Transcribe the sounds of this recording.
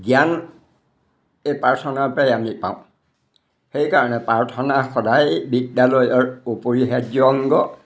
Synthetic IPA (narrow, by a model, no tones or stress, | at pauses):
ɡijan | ejpaɹtʰɔnaɹpɹajamipã̰ʊ̃ | xejkaɹɔnɛpaɹtʰɔnaxɔdajbidjalojɔɹupoɹiɦɛd͡ʒɔŋɡɔ